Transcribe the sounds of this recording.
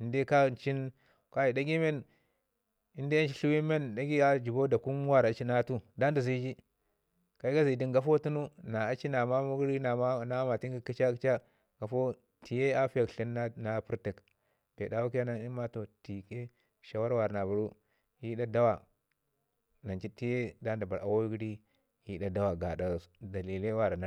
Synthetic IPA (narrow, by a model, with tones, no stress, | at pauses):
i˨nde˦ka˦˨n˨t͡ʃi˦n | ka˦i˨da˦ɡi˦me˦n | i˦nde˦t͡ʃi˦ɬu˦wi˦me˦nda˦ɡi˦a˦d͡ʒi˨bo˦da˨ku˦m˦wa˦ɾa˨t͡ʃi˦na˦tu˦da˦nda˨zi˦d͡ʒi˦ | ka˨i˦ɡa˦zi˨di˦ŋɡa˦fo˦tu˦nu˦na˨a˨t͡ʃi˦na˨ma˦mu˦ɡɾi˦na˨ma˦na˦ma˨ti˦ŋɡi˦ki˦t͡ʃa˦kt͡ʃa˦ | ɡa˨fo˦ | ti˨je˦a˦fi˦ja˨kɬi˦n˦na˦pu˦ɾti˨k | b̥ḛ˨da˦wu˦k̬i˦ja˦na˦i˦ma˦to˨ti˨ke˦ | ʃa˨wa˦ɾwa˨ɾa˨na˨bu˨ɾu˦ | hi˦ɗa˦da˦wa˨ | na˨nt͡ʃi˦ti˦je˦da˦nda˨ba˨ɾʔa̰˨wo˦ɡɾi˦ | hi˦ɗa˦da˦wa˨ɡa˨da˨da˨li˨le˦wa˦ɾa˨na˨